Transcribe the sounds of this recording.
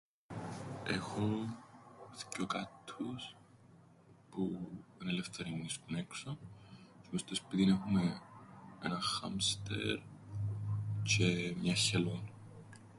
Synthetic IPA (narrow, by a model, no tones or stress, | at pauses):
ḛxo | θcːokɐt̪ʰːus | puenelefθeɾiniskuneksosimost̪ospiðinexume | ḛnɐxɐ̰mst̪ḛɾ | cemɲɐçelon